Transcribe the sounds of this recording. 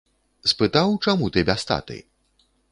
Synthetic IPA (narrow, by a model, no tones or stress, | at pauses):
spɨt̪awt͡ʂamut̪ɨbʲast̪a̰t̪ɨ̰j